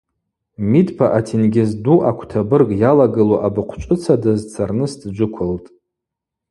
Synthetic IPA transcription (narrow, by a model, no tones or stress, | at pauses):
midpʰaʔatʰinɡʲɪzduʔakʷʰtʰabɨrɡʼjalaɡɨloʔabɨqʷʰt͡ʃʷʼɨt͡sʰadɨzt͡sʰarnɨsdd͡ʒʷʊkʷʰʊltʼ